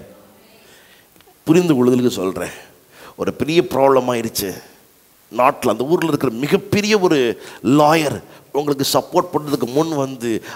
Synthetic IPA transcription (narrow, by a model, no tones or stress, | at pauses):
pʊɾɪnd̪ɐʊɻɯðɐlɯkːɯsɔ̰lrḛ̃ː | ɔɾɯpɛɾɪjɐpɪɾʔaːbɭɐmaːɪɾɯt͡ʃːɯ | naːʈːɪlɐnd̪ɐuːɾɪlɪɾɯkːɯɾɐmɪɣɐpːɛɾɪjɐɔɾɯlaːjɐɾ | ʊŋɡɐɭɯk̬ːɯsɐpːoːɾʈ̚pɐɳːɐðɯk̬ːɯmʊɳʋɐnd̪ɯ